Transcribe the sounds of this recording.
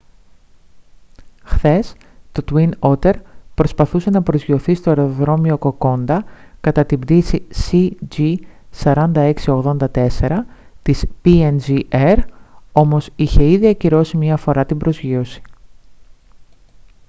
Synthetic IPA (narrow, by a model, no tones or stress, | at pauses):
xθe̞s | t̪o̞t̪wino̞t̪e̞ɾpɾo̞spɐθuse̞nɐpɾo̞zʝio̞θist̪o̞e̞ɾo̞ðɾo̞mio̞ko̞ko̞nd̪ɐkɐt̪ɐt̪imbd̪isisid͡ʒi | sɐɾɐnd̪ɐe̞ksio̞ɣðo̞nd̪ɐt̪e̞se̞ɾɐ | t̪ispienzieɾo̞mo̞siçe̞iðiɐciɾo̞simɲɐfo̞ɾɐt̪ibɾo̞zʝio̞si̥